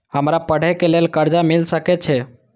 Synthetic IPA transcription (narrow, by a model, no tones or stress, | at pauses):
ɦəmɾapəɽ̤ekelelkəɾd͡ʒamilsəket͡ʃʰe